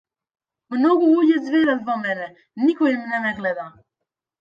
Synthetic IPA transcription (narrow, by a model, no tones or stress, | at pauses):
mnɔɡuuɟɛzveɾat̪vɔmɛnɛ | nikɔimnɛmɛɡlɛd̪a